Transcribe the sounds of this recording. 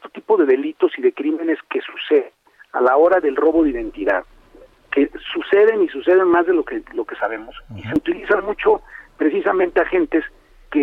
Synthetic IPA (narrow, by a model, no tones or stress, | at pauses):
est̪o̥t̪ipo̞ðe̞ðe̞lit̪o̞siðe̞kɾime̞ne̞ske̞suseðe | a̰lao̞ɾaðe̞lro̞βo̞ðeiðe̞nt̪iða̰ð | ke̞suse̞ðe̞nisuse̞ðenmazðelokelo̞ke̞saβ̞e̞mo̞sise̞ut̪ilisanmut͡ʃo̞pɾe̞s̬isamẽnt̪eaxe̞nt̪e̞s | ke